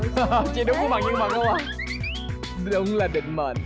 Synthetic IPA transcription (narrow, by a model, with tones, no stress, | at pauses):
t͡ɕi˧˩ɗʊ˨˦ŋ͡mkɓa̰˧˨˩ŋɲə˧ŋma̰˧˨˩ŋ̚ɗə˧wʔaː˨˩ | ɗʊ˨˦wŋ͡mlaː˨˩ɗï˧˨ŋ̟mə̰ː˧˩n